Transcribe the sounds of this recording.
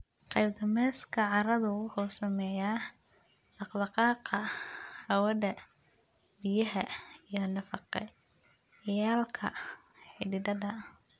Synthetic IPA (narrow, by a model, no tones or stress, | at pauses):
qɑjb̚d̪ɐmɛːskʰɐʕɑɾɐðʊwʊħusɐmɛjaː | ɑqlɑqɑːqɐhɐwɐðɐ | bɪjɐɦɐijɔlɐfɑqɛ̰ | jaːlkʰɐ̰ | ħɪ̰dɪd̪ɐðɐ